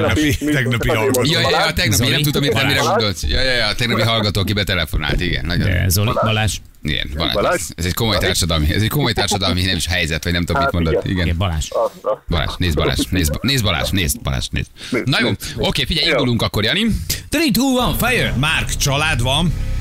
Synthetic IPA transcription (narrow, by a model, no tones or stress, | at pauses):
ɛit̪ɛɡnɒpiɒɡjɒjjjɒːt̪ɛɡnɒpinɛt̪ud̪omit̪ɛmːiɾɛɡo̞nd̪o̞lt̪jɒjɒjt̪ɛɡnɒpiɦɒlɡɒt̪oːkibɛt̪ɛlɛfo̞na̰ːlt̪iɡɛ̰nːɒɟo̰ɛ̰ɛ̰zolibɒlaːʃ | ḭɡɛ̰nbɒ̰la̰ːʃesɛzɛcko̞mo̞jt̪aːrʃɒd̪ɒlmiɛ̰zɛɟckomo̞jt̪aːrʃɒd̪ɒlminɛmiʃɦɛjzɛt̪ʋɒɟnɛmt̪ud̪omit̪mo̞nd̪ot̪ːḭɡɛnbɒla̰ːʃbɒla̰ːʃneːzbɒla̰ːʃneːzbneːzbɒla̰ːʃneːzbɒ̰la̰ːʃnḛːznɒjoːo̞keːfiɟɛjind̪uluŋkɒkːoɾjɒnit̪ɾit̪uːlvɒɱfɛjømaːrkt͡ʃɒlaːd̪vɒn